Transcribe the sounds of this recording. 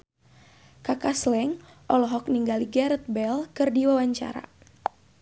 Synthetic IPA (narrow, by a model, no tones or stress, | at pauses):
kakaslɛŋ | ʔɔlɔɦɔk̚niŋɡaliɡɛɾət̪̚bɛlkɨrdiwawaɲt͡ʃa̰ɾa̰